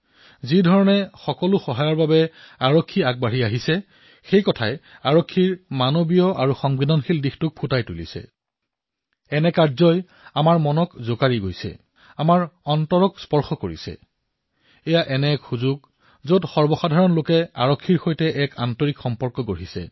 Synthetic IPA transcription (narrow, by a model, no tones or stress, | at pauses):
zidʱɔɹɔnɛxɔkɔlʊxɔɦajɔɹbabɛ | aɹokʰːiaɡ̚baɹiaɦisɛ | xejkɔtʰajaɹokʰːiɹmanobijɔʔaɹuxɔŋbidɔnxildixtʊk̚pʰutajtulḭsɛ̰ | ɛnɛkaɹzɔj | amaɹmɔnɔkzokaɹiɡojsɛ̰ | amaɹɔntɔɹɔkspɔɹxɔkoɹḭsɛ̰ | ɛjaʔɛnɛkxuzuɡ̚ | zotxɔɹbɔxadʱaɹɔnlokɛa̰ɹɔkʰːiɹxojtɛʔɛkantɔɹikxɔmpɔɹkɔɡoɹisɛ̰